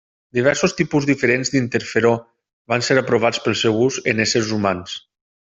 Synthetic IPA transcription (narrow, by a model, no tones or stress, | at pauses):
d̪iβ̞ɛɾsost̪ipuzðifəɾenzd̪int̪əɾfeɾo | βanseɾəpɾoβ̞at͡spəlˠsɛwuzənesəɾzumans